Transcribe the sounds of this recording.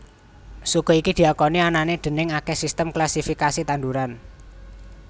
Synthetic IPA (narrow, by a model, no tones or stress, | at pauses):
sukɔ̤ikid̪̥i̤akɔniananed̪̥ə̤nɪŋakɛsist̪əmklasifikasit̪and̪uɾan